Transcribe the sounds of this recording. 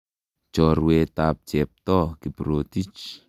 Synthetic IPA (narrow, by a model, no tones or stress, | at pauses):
t͡ʃɔruwet̪ap̚t͡ʃɛp̚t̪ɔkipɾot̪it͡ʃ